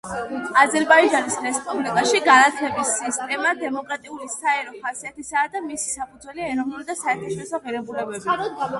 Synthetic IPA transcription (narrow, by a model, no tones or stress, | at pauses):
azɛɾbaid͡ʒanisɾɛspʼublikʼaʃiɡanat̪ʰɛbisːist̪ʼɛmad̪ɛmɔkʼɾat̪ʼiulisaɛɾɔχasiat̪ʰisad̪amisi̥sapʰud̪zwɛliɛɾɔvnuɾid̪asaɛɾt̪ʰaʃɔɾisɔʁiɾɛbulɛbɛbi